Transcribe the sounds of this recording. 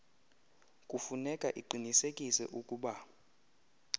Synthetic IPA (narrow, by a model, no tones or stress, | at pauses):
kʼufunɛkʼaʔiǃinisekʼisɛ̰ʔukʼuːɓa